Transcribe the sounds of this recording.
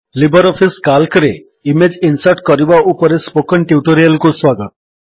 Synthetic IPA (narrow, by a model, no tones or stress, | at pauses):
libəɾɔfiskalkɾe | imed͡ʑinsəʈkəɾibaupəɾespokəɳʈjuʈoɾijəlkosʋaɡət̪̚